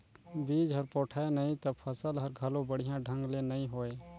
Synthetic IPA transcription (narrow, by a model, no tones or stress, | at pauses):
bid͡ʒɦəɾpɔːʈʰaenəĩt̪əpʰəsəlɦəɾɡʱəlõbəɽ̤ijãɖʱə̃ŋɡlenəĩɦoːe